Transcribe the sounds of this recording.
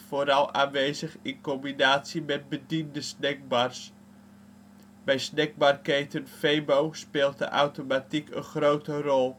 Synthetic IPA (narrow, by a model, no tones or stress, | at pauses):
foːɾɑlˠaːnʋeːzəχɪnkɔmbinaːtsimɛt̚bədindəsnɛɡ̚bars | bɛjsnɛɡ̚barkejtənfejbowspeːlˠtə̰ʔa̰wtomatikʰə̰nχrowtərɔlˠ